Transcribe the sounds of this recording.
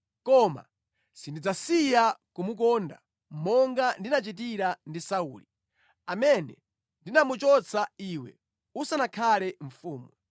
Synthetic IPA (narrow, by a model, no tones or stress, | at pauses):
kɔma̰ | sindid͡zasijakumuk̬ɔnda̰ | mɔŋɡandinat͡ʃit̬iɾandisauːli | amɛnɛ̰ | ndinamut͡ʃɔt͡sʰaiwɛ̰ | usanakʰalɛɱ̩fuːmu